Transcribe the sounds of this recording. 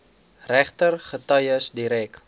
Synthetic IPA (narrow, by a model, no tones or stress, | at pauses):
ræχtərχətœjəsdiɾɛk